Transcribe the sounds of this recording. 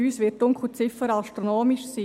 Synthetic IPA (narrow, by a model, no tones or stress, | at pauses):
yːsʋɪtːʊŋkʰχut͡sɪfəɾaʃtɾonoːmɪʃsiː